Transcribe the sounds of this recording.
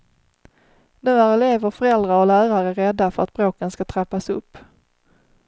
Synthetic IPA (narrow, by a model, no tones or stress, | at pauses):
nʉ̟ːæɾɛleːvəɾfœɾɛld̪ɾaɔlæːɾaɾəɾɛd̪ːafœɾat̪̚b̥ɾoːkənskat̪ʰɾapːasɵpː